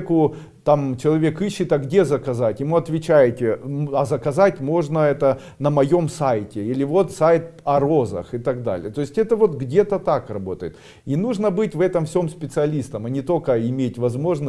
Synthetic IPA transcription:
kʊ | t̪amt͡ɕɪlˠɐvʲekɨɕːɪt̪ɐɡdʲe̞zəkɐzatʲjɪmuɐt̪vʲɪt͡ɕæjɪtʲɪɐzəkɐzatʲmo̞ʐnəɛt̪ə | nəmɐjo̞msajtʲɪilʲɪvo̞t̪sajt̪̚ɐɾo̞zə̰xɪt̪aɡd̪a̰lʲɪ̰jət̪o̞ɪsʲtʲɛt̪əvo̞t̪ɡdʲe̞t̪ət̪akrɐbo̞t̪ə̰jɪt̪ | inuʐnəbɨtʲvɛt̪əmfsʲo̞mspʲɪt̪sɨɐlʲist̪əmɐnʲɪt̪o̞kəɪmʲetʲvɐzmo̞ʐnə

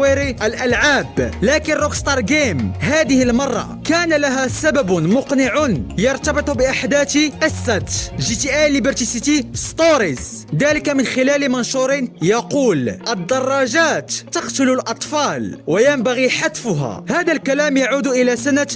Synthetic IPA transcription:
iɾiʔəlʔælʕaːblækənrˤokst̪ɑɾˤɡemɦæd̪əhəlmɑrˤːɑ̰kæːnalaɦæsæbæbʊmʊqnɪʕʊnjɑɾˤt̪ɑbɨt̪ˤubɪʔaħd̪æt̪qəsˤːɑt̪ʒit̪iʔalibəɾt̪isit̪ist̪ˤoɾiz | d̪æləkamənxɪlælimɑnʃuɾɪnjɑquːlʔəd̪ːɑrˤːɑʒaːt̪ːɑqt̪ʊlʊlʔɑt̪ˤfɑlwajæmbaɣiħat̪fʊɦæ̰hæd̪ælkælæːmjaʕuːd̪ʔəlæsanat̪

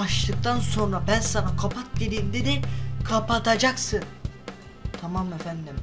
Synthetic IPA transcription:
aʃlˠɯk̚t̪ʰanso̞nɾabænsanakʰapʰat̪̚ɟelʲimd̪ed̪ɛkʰapat̪ʰad͡ʒaksɯn | t̪ʰamamefænd̪im

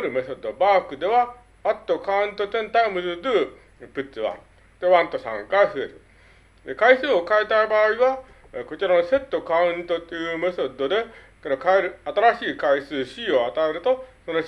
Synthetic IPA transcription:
ɾɯ̟mesod̪obaːkɯ̟d̪e̞βa | at̪ːo̞kaɯ̟̃nt̪o̞zẽ̞nt̪aimɯzɨd̪ɨː | pɯ̟t͡sɨβã̰ | t̪e̞βãnt̪o̞sã̰ŋkaisɯeɾɨ | d̪e̞kaisɨːokaet̪aibaːiβa | ko̞t͡ɕiɾano̞se̞t̪ːo̞kaɯ̃nt̪ot̪ːejɯmesod̪o̞d̪e̞ | konokaeɾɯ̟at̪aɾaɕiːkaisɨːɕiːoat̪ae̞ɾɯ̟t̪o̞sono

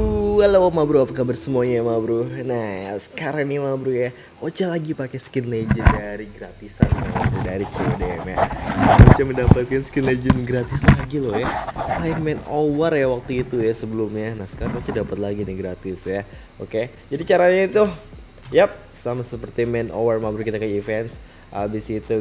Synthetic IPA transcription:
walowamabɾuapakabarsəmuaɲajmabɾunahsə̥kaɾaŋnimabɾuhja | ot͡ʃalaɡipakɛskɪnled͡ʒəndaɾiɡɾat̪isa̰nnidaɾit͡ʃideɛmja̰ot͡ʃaməndapat̪̚kansə̥kɪnled͡ʒənɡɾat̪ɪslaɡilɔhjasəaɪnmɛnowarjawak̚t̪uit̪ujasəbəlumɲanahsə̥kaɾaŋot͡ʃadapat̪̚laɡinɪɡɾat̪ɪsja | ʔoke | d͡ʒadit͡ʃaɾaɲait̪u | jap̚ | samasəpərt̪imɛno̰wərmabɾukit̪akəifɛnt̪s | ʔabisːt̪u

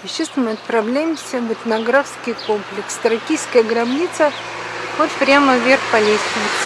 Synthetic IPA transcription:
ɪɕest̪mɨɐt̪̚pɾɐvlʲæjɪmsʲəvʲɪt̪ʲnɐɡɾafskʲɪjkomplʲɪkst̪ɾɐkʲijskəjəɡɾɐbnʲit̪sə | vot̪pɾʲaməvʲerxpɐlʲesʲt̪ʲɪn

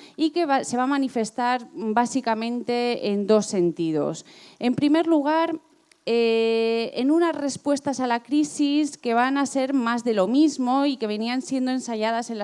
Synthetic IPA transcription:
ike̞βase̞β̞amanife̞st̪aɾbasikamẽ̞nt̪e̞ːnd̪o̞sːe̞nt̪ið̞o̞̰se̞mpɾime̞ɾluɣ̞aɾ | e | enũnasre̞spwe̞st̪asalakɾisiske̞β̞anase̞ɾmazðe̞lo̞mizmo̞ike̞β̞e̞niansje̞nd̪oe̞nsaʝað̞ase̞na

